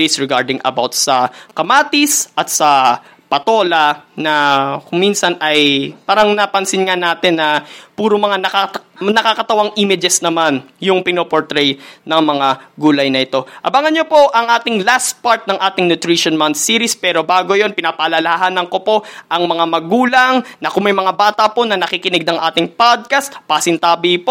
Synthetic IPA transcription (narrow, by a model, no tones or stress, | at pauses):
isɹɛɡaɹd̪ɪŋʔɐ̰bawt̪̚sɐkɐmaːt̪isʔɐt̪̚sɐ | pɐt̪o̞ːlɐnɐkʊŋminsɐnɐjpaːɾɐŋnɐpɐnsɪnŋanaːt̪ɪnːɐpuːɾomɐŋanɐkanɐkakɐt̪ɐwaŋʔimɪd͡ʒɛsnɐmanjʊŋpɪnoːpoɹt̪ɾɛjnɐŋmɐŋaɡuːlɐjnɐɪt̪o̞ʔɐbaŋɐnɲjopo̞ʔɐŋʔaːt̪ɪŋlast̪̚paɹt̪̚nɐŋʔaːt̪ɪŋnʊt̪ɾiʃonmant̪̚siːɾispɛːɾo̞baːɡo̞jo̞npɪnapɐʔɐlɐlɐhaɦaːnɐŋko̞po̞ʔʔɐŋmɐŋamɐɡuːlɐŋnɐkʊŋmɐjmɐŋabaːt̪ɐpo̞nɐnɐkikɪnɪɡ̚nɐŋʔa̰ːt̪ɪŋpad̪̚kast̪pɐsɪnt̪aːbipo